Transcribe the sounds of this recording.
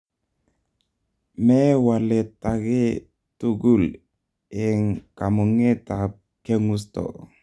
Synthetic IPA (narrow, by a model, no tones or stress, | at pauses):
mewalɛt̪aɡe | t̪uɡul | eŋkamuŋet̪ap̚ | keŋust̪ɔ̰